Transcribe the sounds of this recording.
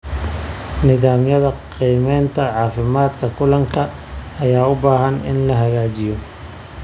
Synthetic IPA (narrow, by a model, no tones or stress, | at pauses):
nɪðaːmjɐðɐqiːmɛːnt̪ʰɐʕɑːfɪmaːd̪kʰɐkʰʊlɐŋkʰɐː | jaːʊbaːɦɐnɪ̰nlɐɦɐɣaːt͡ʃɪjɔ